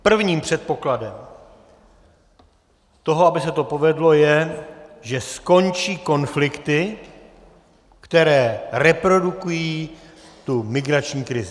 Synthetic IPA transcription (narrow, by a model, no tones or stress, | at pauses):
pr̩vɲiːmpr̝̥ɛt̪̚po̞kladɛm | t̪o̞ɦoabɪsɛt̪o̞po̞vɛdlo̞jɛʒɛsko̞nt͡ʃiːko̞nflɪkt̪ɪ | kt̪ɛɾɛːɾɛpɾo̞dukujiː | t̪umɪɡɾat͡ʃɲiːkɾɪzɪ